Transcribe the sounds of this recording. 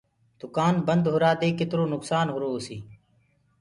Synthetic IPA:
d̪̥ʊkaːnbənd̪ɦʊɾaːd̪eːkɪt̪ɾoːnʊksaːnɦʊɾoːsiː

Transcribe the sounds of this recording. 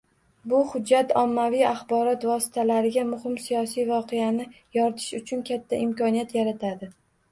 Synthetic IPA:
bʊhʊd͡ʒːat̪ɒmːavijaχbɒɾɒt̪vɒsɪ̥t̪ʰalaɾɪɡʲamʊhɪmsijɒsijvɒqʰeanɪ | jɒɾt̪ʰɪ̥ʃʊt͡ʃʰʊnkʲʰat̪ʰːaʔɪmkɒnijat̪jaɾat̪ʰad̪ɪ

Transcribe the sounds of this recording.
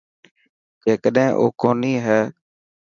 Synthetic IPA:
d͡ʒeːkəɗẽʔo̰ːkoːniːɦɛː

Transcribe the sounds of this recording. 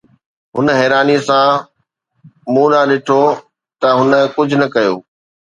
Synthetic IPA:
ɦʊnɦɛːɾaːnisã | mũːlaɗɪʈʰo | t̪ɐɦʊnə̆kʊd͡ʑʱʊnɐkɐjo̰ː

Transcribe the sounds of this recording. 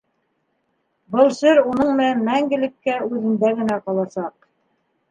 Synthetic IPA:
bɤlˠsɘɾunɤɴmɘ̆nænmæŋɡɘ̆lɘ̆kːæʉðɘ̆nd̪æɡɘ̆næqɑlˠɑsɑq̚

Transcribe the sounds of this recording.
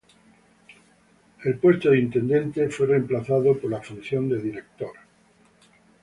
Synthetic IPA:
e̞lpwe̞st̪oðint̪e̞nd̪e̞nt̪e̞fwe̞re̞mplaθaðopoɾlafunθjo̞nd̪eðinek̚t̪oɾ

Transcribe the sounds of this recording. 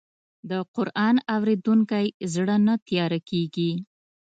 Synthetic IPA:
d̪əqʊɾʔɑnawɾed̪uŋkajzɽənat̪jɑɾakeɡi

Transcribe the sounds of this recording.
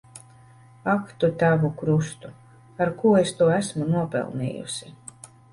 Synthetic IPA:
akt̪ut̪ævukɾust̪u | aɾkuɔest̪uɔæsmunuɔpɛ̰lˠnḭːjṵsi

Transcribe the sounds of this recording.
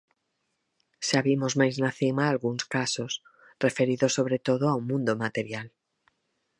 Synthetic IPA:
saβimozmajznaθimaːlɣuŋskasos | refeɾiðosːoβ̞ɾet̪oðoawmũnd̪omat̪eɾjal

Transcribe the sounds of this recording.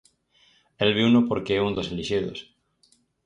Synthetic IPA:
elβiunopoɾkeɛund̪oseliʃiðo̰s

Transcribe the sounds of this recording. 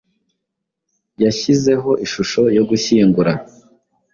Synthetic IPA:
jaçize̞ɦo̞ʔiʃuʃo̞jo̞ɡuçiːŋɡuɾa

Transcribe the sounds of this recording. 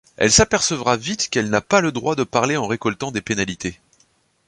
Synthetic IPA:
ɛ̰lsapɛʁsəvʁavit̪kɛlnapaləd̪ʁwad̪əpaʁleɑ̃ʁekɔlt̪ɑ̃d̪epenalit̪e

